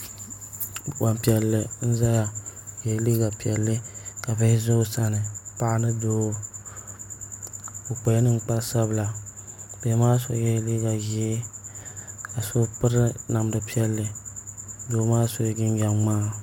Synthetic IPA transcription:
wa˨mpi˨ɛ˨lːɨ˨n̩˦za˦ja˨jɛ˨˦li˦ɡa˨pi˨ɛ˨lːɨ˦ka˨bɛ˦zo˦sa˦nɨ˨pa˦ʔa˦nɨ˦doː˦ | o˨k͡pɛ˨˦nɨ˦ŋ˦k͡pa˦sa˦bla˨b̥ɛ˨˦maː˦so̰˨˦jɛ˦li˦ɡa˨ji˦e˦ | ka˨so˦pɨ˦ɾɨ˦na˨mdɨ˨pi˦ɛ˦lːɨ˨ | doː˨maː˦so˦ɡɪ˦n˦d͡ʒa˨mmaː˦˨

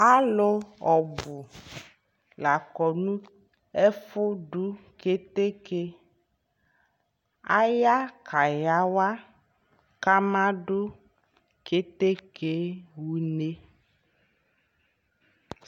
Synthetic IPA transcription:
a˦lo˦ɔ˨bu˨ | la˨kɔ˨nũ˦ | e˦fo˦ɖu˦ke˦t̪e˦ke˦ | a̰˦ja˦kʰa˨ja˦wa˦ | ka˦mã˦ɖo˦ | ke˦t̪e˦kʰe˦wu˦ne˦

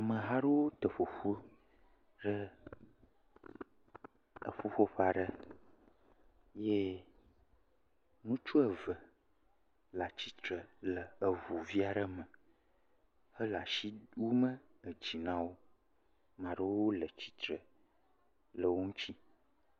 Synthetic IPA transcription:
a˨mə̃˨ɦa˦ɖə˦wo˦t̪ə˨ɸo˨ɸu˦ | ɖə˦ | ə̰˨ɸo˦ɸo˦ɸa˨ɖə˦ | je˦ | nũ˦t͡ʃu˦ə˨və˨ | la˨t͡ɕi˨t̪ɾə˨lə˨ə˨vu˨vi˦a˨ɖə˦mə˨ | hə˦la˨ʃi˦wu˦mə̃˦ə˨d͡ʑi˨nã˦wo˦ | mã˨ɖə˦wo˦lə˨t͡ɕi̥˨t̪ɾə˨ | lə˨wo˦ŋũ˦t͡ɕi˦

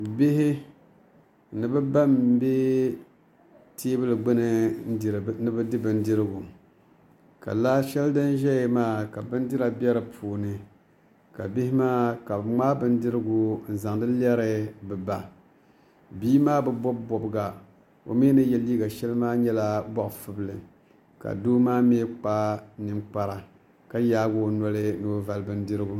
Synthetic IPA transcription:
bɪ˦ɦɪ˦ | nɨ˨bɨ˦ba˦m˦be˦ | tʰeː˦bɨ˦lɨ˨ɡ͡bɨ˦nɨ˨n˦˨˦nɨ˦bɨ˦dɪ˦bɨ˨n˦dɨ˦ɾɨ˦ɡu˨ | ka̰˨la˦ʃɛ˦ldɨ˦n˦ʒɛ˦jmaː˦˨ka˨bɨ˦n˦dɪ˦ɾa˨bɛ˦ɾɨ˨pʰuː˨nɨ˨ | ka̰˨bɪ˦hɪ˦maː˦ka˨ŋ͡maː˦bɨ˦n˦dɨ˦ɾɨ˦ɡu˨n̩˨za˨ŋdɨ˦lɛ˦ɾɨ˦bɨ˨ba˨ | biː˦maː˦bɨ˨bɔ˦bːɔ˨bɨ˦ɡa˨ | o̰˨mi˦nɨ˦jɛ˨liː˦ɡa˨ʃɛ˦lɨ˦maː˦ɲɛ˦la˦bɔ˦ʔfɨ˦bɨ˦lɨ˨ | ka̰˨doː˦maː˦me˦k͡pa˦nɨ˨˦mk͡pa˨ɾa˨ | ka˦jaː˦ɡo˦˨nɔ˦lɨ˦no˨˦va˨lɨ˦bɨ˦ndɨ˦ɾɨ˦ɡu˨

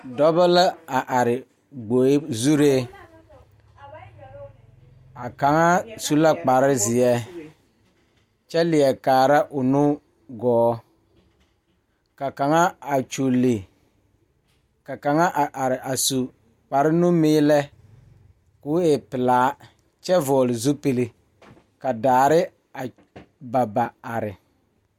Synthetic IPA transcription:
dɔ˦ba˦la˦a˨ʔa˨ɾɪ˨ | ɡ͡bo˨˦zu˦ɾe˦ | a˨ka˨ŋa˦su˦la˦k͡pa˨ɾɪ˦zɪ˨ɛ˦ | t͡ʃɛ˦lɪ˨ɛ˨kaː˨ɾa˦ʔʊ˨nʊ˦ | ɡɔː˨˦ | ka˨ka˨ŋa˦a˨t͡ʃo˨lːɪ˨ | ka˨ka˨ŋa˦ʔa˨ʔa˨ɾɪ˨ʔa˨su˨ | k͡pa˨ɾɪ˦nʊ˦mɪː˦lɛ˦ | kʊ˨˦ɛ˨pɪ˨laː˨˦ | t͡ʃɛ˦vɔː˨lɪ˨zu˦pe˨le˦ | ka˨daː˨ɾɪ˦ | a˨ | ba˨ba˨a˨ɾɪ˨

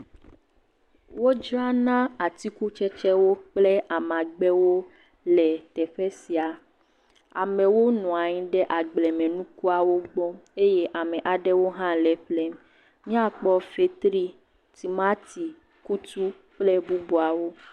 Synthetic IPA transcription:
wo˦d͡ʒɾa˦nã˦a˨t̪i˦ku˦t͡ʃɛ˦t͡ʃɛ˦wo˦k͡plɛ˦ʔa˨m˨ã˨ɡ͡bɛ˦wo˦ | lɛ˨t̪ɛ˨ɸɛ˦si˨a˨ | a˨mɛ̃˨wo˦nɔ̃˨a˨ɲĩ˦ɖɛ˦ʔa˨ɡ͡blɛ˨mɛ̃˨nũ˦ku˦a˨wo˦ɡ͡bɔ˦e˦je˦ʔa˨mɛ̃˨ʔa˨ɖɛ˦wo˦ɦã˦lɛ˨ɸlɛ˦m | mĩ˦a˨k͡pɔ˦fe˨t̪ɾi˦ | t̪i˨ma˦t̪i˨ | ku˦t̪u˦ | ɸlɛ˦bu˦bu˨a˨wo˦

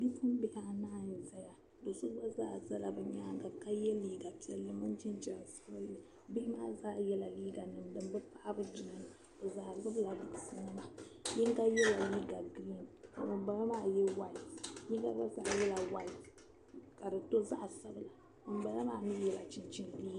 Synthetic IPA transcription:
di˦fɨ˦m˦bɪ˦ha˦˨naː˦jza˦ja˨ | do˨su˦ba˦zaː˦˨za˦la˨bɛ˨ɲa˦ŋ˦ɡa˨ka˦jɛ˦liː˦ɡa˨pi˨˦ɛ˦lːɨ˦mʊ˦nt͡ʃi˦nt͡ʃa˦n˨sa˦bɨ˦lɨ˨ | bɪ˦hɪ˦maː˦zaː˦jɛ˦la˨liː˦ɡa˨nɨ˨mdɨ˨mbɨ˦pa˦ʔa˦bɨ˦d͡ʒɪ˦nɨ˦n˨ | bo˨zaː˨zɨ˦bla˨bʊ˨sɨ˨nɨ˦ma˨ɲi˦ŋ˦ka˦jɛ˦la˨liː˦ɡa˨ɡɾi˦n˨mɨ˨mba˨la˦maː˦˨jɛ˦wa˦i˨ɲi˦ɡa˦ba˦za˦˨jɛ˦la˨wa˦i˨ | ka˨dɨ˨to˦za˦ʔsa˦bla˨ | mɨ˨m˦ba˨la˦maː˦˨nɨ˦jɛ˨la˨t͡ʃɪ˦nt͡ʃɪ˦nliː˦ɡ

